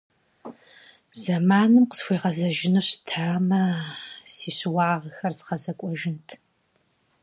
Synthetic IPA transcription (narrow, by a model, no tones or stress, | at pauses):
z̥ɐmaːnɨmqə̥sxʷeːʁɐzɐʒɪnɨɕtʰaːmɐsiːɕwaːʁxɐrsχɐzɐkʷʼɔʒɪntʰ